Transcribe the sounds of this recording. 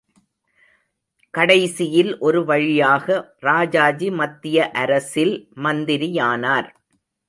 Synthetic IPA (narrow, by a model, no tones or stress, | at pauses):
kɐɽɐɪsɪjɪlʔɔɾɯʋɐɻɪjaːɣɐɾaːd͡ʒaːd͡ʒimɐt̪ːɪjɐʔɐɾɐsɪlmɐnd̪ɪɾɪjaːnaːɾ